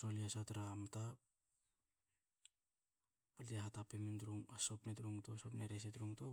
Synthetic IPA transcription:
soliasat̪ɾamt̪a | aɾdiɦat̪apemind̪ɾuŋasopnet̪ɾuŋt̪osopneɾes̬et̪ɾuŋt̪o

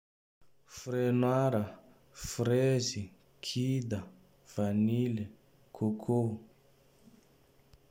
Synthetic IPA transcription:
fɾenwaɾa | fɾezi | kʰid̪a | v̥anile | kʰokʰo

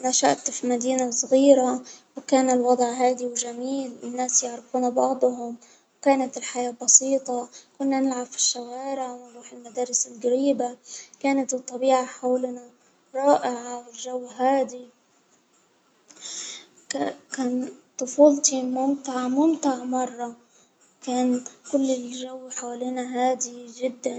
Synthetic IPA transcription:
naʃa̰ʔt̪filmad̪iːnasˤɣiːɾawkaːnɪlwɑd̪ˤʕɦaːd̪iwʒamiːlɪnːaːsjɪʕɾɪfuːnabɑʕd̪ˤɦʊm | wkaːnat̪ɪlħajaːbɑsiːt̪ˤɑkʊnːanɪlʕabfi̥ʃːawaːɾɪʕwɪnɾuːħɪlmad̪aːɾɪsɪlɡaɾiːbakaːnat̪bɨt̪ˤːɑbiːʕaħawlna | ɾˤɑːʔɪʕawɪlʒawːɦaːd̪i | kaːnt̪ˤʊfuːlt̪imʊmt̪ɪʕmʊmt̪ɪʕmɑrˤːɑ | kaːnkʊlːɪʒawːħawaliːnaɦaːd̪iʒɪd̪ːan

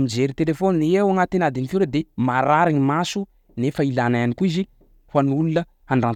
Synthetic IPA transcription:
mid͡ʒeɾit̪elefoniniewaŋat̪inad̪inifiɾəd̪emaɾaɾaɲimasu | nefailanaanikuizi | hanulunə | aɳɖ͡ʐan

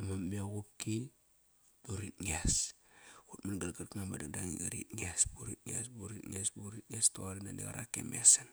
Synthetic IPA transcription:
amamiaɣup̚ki | buɾitŋias | kutmanɡalɡaɾkŋambadaŋdaŋiɡaɾḭt̚ŋiasbuɾit̚ŋiasbuɾitŋiasbuɾit̚ŋastoaɾinandḭɣa̰ɾa̰kːḛmasan

